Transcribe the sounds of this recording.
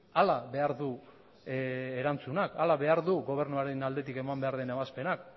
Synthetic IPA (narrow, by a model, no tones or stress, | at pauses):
alaβe̞aɾðu | eɾant͡sunakalaβe̞aɾðuɣo̞β̞e̞ɾnuaɾenald̪e̞t̪ike̞mambe̞aɾðeneβaspe̞nak